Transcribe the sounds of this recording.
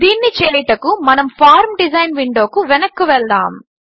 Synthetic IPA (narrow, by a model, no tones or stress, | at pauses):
d̪iːnːit͡ʃeːjʈɐkumɐnɐmpʰaːɾmɖizɐjnʋiɳɖo̞ːkuʋɛnɐkːuʋɛɭd̪a̰ːm